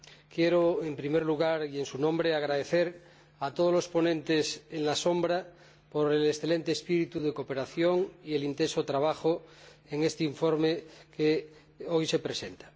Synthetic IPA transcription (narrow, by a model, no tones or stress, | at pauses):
kjeɾoempɾimeɾluɣaɾie̞nsunõmbɾeaɣ̞ɾaðeθeɾ | at̪oð̞ozlospo̞nẽnt̪eseŋlasombɾa | poɾelesθele̞nt̪eːspiɾit̪uðekope̞ɾaθjoŋielint̪ensot̪ɾaβ̞axoeŋest̪eiɱfoɾmeke | ojse̞pɾesent̪ḁ